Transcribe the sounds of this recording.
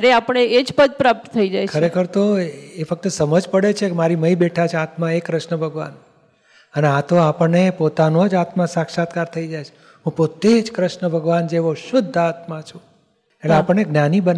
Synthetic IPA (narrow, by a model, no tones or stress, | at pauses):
ɾeapəɳ̃eed͡ʒpəd̪̚pɾap̚t̪t̪ʰəid͡ʒajkʰəɾekʰəɾt̪oefək̚t̪əsəməd͡ʒpəɽet͡ʃʰekemaɾiməibeʈʰat͡ʃʰeat̪mãekɾəʃɳəbʱəɡʋa̰n | əneat̪oapəɳːepot̪anod͡ʒat̪mãsakʃat̪kaɾt̪ʰəid͡ʒajt͡ʃʰe̥ | ɦũpot̪ed͡ʒkɾəʃnəbʱəɡʋand͡ʒeʋoʃʊd̪ʱːat̪mãt͡ʃʰũ | eʈleapəɳneɡnanibən